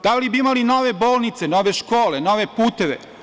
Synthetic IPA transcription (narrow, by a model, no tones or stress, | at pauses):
d̪alibiimalinoʋeboːlˠnit̪senoʋeʃkoːlenoʋepuːt̪eʋḛ